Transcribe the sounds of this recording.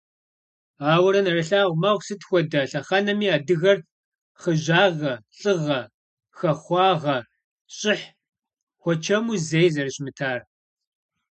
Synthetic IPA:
aːwɐɾɐnɐrɐɬaːʁʷmɐʁʷsɨtʰxʷɔdɐɬɐχɐnɐmiːaːdɨɣɐr | χəʑaːʁɐɬʼɨʁɐ | xɐχʷɑːʁɐ | ɕʼɪħ | xʷɔt͡ʃʰɐmuzejzɐrɨɕmɨtʰaːr

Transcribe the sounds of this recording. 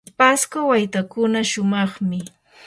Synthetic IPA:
paskawajt̪akʊnaʃʊmɑχmɪ

